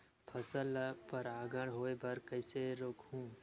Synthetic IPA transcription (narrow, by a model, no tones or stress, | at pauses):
pʰɐsəlpɐɾaːɡəɽ̃ɦoːebɐɾkɐɪseɾoːkʰɦũː